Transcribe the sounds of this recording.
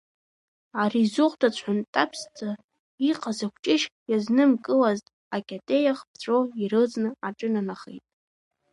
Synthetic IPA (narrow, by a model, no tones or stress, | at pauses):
arizʊχʷdʰʼat͡ɕʷʰħantʼapʰst͡sʰʼa | iqʰʼazakʷʰt͡ʃʼɪʃjaznɨmkʼɨlaztʼ | akʲʼatʼejaχp̚ʰt͡ɕʷʰʼoirɨt͡sʼnɨaʈ͡ʂʼɨnanaχḛjtʼ